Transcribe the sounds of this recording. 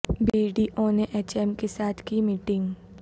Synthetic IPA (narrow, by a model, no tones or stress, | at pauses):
biːɖiːʔoːneʔeːt͡ʃɛmkesaːt̪ʰkimiʈɪ̃ŋɡ